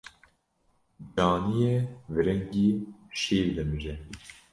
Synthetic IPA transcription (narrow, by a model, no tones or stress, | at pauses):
d͡ʒɑːnijɛvɨɾɛŋɡiːʃeːɾd̪ɛmɨʒɛ